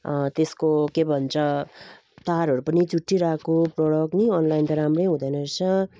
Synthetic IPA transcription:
t̪eskokebʱʌnt͡sʰʌ | t̪aɾɦʌɾupʌnit͡suʈːiɾakoprʌɽʌkniʌnlajnt̪ʌɾamrʌjɦũd̪ʌjnʌsʰʌ

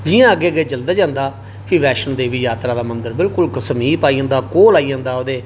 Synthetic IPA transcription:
d͡ʒɪjãːəɡeːəɡeːd͡ʒəld̪aːd͡ʒãːnd̪aː | pʰiːʋɛːʃənd̪eːʋiːjaːt̪ɾaːd̪aːmənd̪əɾbɪlkʊlkəsmiːpaːiãːnd̪aːkoːlaːiːãːnd̪aːod̪eː

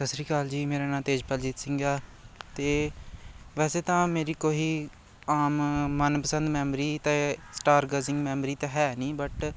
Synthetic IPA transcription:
səsɾiːkaːld͡ʒiːmeːɾaːnãːt̪eːd͡ʒpɛːld͡ʒɪt̪sɪ̃ŋɡaːt̪eː | ʋɛːseːt̪ãːmeːɾiːkoːiː | aːmːənpəsə̃nd̪mɛːmɾiːt̪ɛːsʈaːɾɡəzɪ̃ŋɡmɛːmɾiːt̪ɛɦɛːnĩːbəʈ

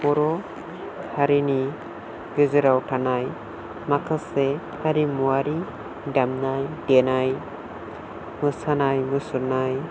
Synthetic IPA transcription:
ɔɾɔ | haɾini | ɡɯzɯɾawtʰanaj | makʰase | haɾimuaɾi | damnajdenaj | mɯsanajmɯsuɾnaj

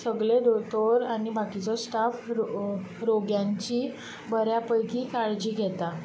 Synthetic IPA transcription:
səɡɭed̪ot̪oɾanibʱakit͡sɔsʈaf | ɾoɡjãɲt͡ɕiː | bəɾjapəjkiːkaɭd͡ʑiːɡʱɛt̪a

